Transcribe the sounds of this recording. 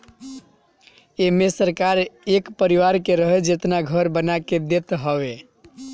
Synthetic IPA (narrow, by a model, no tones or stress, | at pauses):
emesəɾkaɾekpəɾiʋaɾkeɾəɦed͡ʒet̪naɡʱəɾbənaked̪et̪ɦəβe